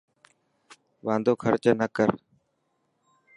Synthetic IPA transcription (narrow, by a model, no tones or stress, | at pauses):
ʋãːnd̪ʱoːkʰəɾt͡ʃənəkəɾ